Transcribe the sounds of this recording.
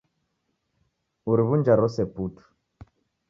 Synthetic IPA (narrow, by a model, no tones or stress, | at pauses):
uɾiβund͡ʒaɾɔsɛputu̥